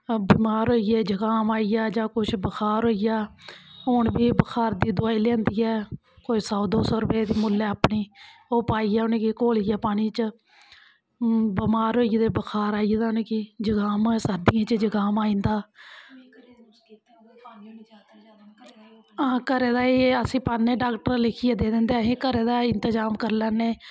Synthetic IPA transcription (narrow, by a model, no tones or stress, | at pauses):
biːmaːɾɦoːijɛːd͡ʒəɡaːmaːijaːd͡ʒãːkʊt͡ʃʰbəkʰaːɾɦoːijaːɦoɳbiːbəkʰaːɾd̪iːd̪ʊaːiːlẽːnd̪iːɛː | koːisɔːd̪oːsɔːɾəpeːd̪iːmʊːlːɛːaːpɳiːoːpaːiːɛːʊneːkikoːlijɛːpaːɽ̃iːt͡ʃ | bəmaːɾɦoːid̪eːbəkʰaːɾaːid̪aːʊneːkiːd͡ʒəɡaːmosəɾd̪ɪjãːt͡ʃd͡ʒəɡaːmaːĩːnd̪aː | ãːkəɾeːd̪aːeːəsĩːpaːnẽːɖaːkʈəɾlɪkʰieːd̪eːd̪ɪ̃nd̪eːɦẽːkəɾeːd̪aːɪnt̪əd͡ʒaːmkəɾlɛːneː